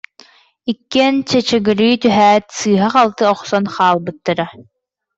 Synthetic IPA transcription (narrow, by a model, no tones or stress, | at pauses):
ikːɛnt͡ɕɛt͡ɕɛɡɯɾiːt̪yɦæːt̪sɯːɦaχalˠt̪ɯɔχsɔnχaːlˠbɯt̪ːaɾa